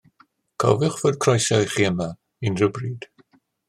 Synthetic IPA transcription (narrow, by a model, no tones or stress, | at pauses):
kʰɔ̰vɪχv̥oːd̚kʰrɔjsajχiːəma | inrəbriːd̥